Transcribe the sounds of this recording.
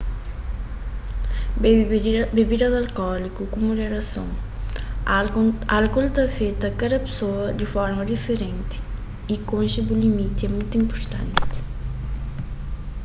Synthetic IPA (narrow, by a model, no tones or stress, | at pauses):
bebid̪ɐd̪ɐlkɔlikukumuʒeɾɐsõ̰ŋ | alkɔlt̪afet̪ɐkad̪ɐpe̥soɐd̪ifɔɾmɐd̪ifeɾẽnt̪i̥ | ikõnʃɐbulimit̪iɛmũjt̪uĩmpoɾt̪ɐ̰̃nt̪i̥